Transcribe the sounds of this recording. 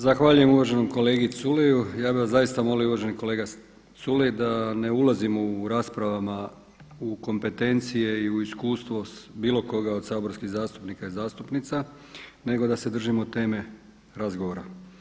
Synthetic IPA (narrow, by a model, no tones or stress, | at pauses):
zaxʋaːʎujemuʋaʒe̞no̞mko̞le̞ːɡit̪sulijujaːbiazaist̪amo̞liuʋaʒe̞niko̞le̞ːɡa | t̪sulid̪ane̞ulazimouɾaːspɾaʋama | uko̞mpe̞t̪e̞nt̪sije̞iuiskuːst̪ʋo̞sbiːlˠo̞ko̞ɡaod̪saːboɾskiɣzaːst̪upnikaizaːst̪upnit̪sa | ne̞ɡo̞d̪ased̪r̩ʒimot̪e̞ːme | ɾazɡoʋoɾa